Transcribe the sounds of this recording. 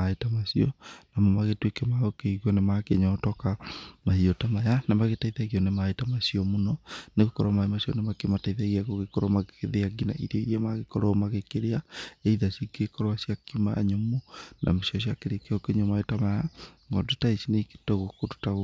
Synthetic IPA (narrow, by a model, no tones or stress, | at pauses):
aetamasiɔnamomaɣetwekɛmaokeiɣiɔnemakeɲɔtɔkamahiɔtamajanamaɣetaiðaɣiɔnemaitamasiɔmunɔneɣekɔɾamaimasiɔ̰nemakemataiðaɣiaɣoɣekɔɾɔmaɣekeðeaɡina̰ʔḭɾeiamaɣekɔɾɔmaɣekeɾeaeiðasikekɔɾɔaʃiakimaɲomunʔa̰mesiɔʃ̬jakeɾekeɔkeɲɔmaetamajaŋɔtutaisineike̥toɣokotu̥ta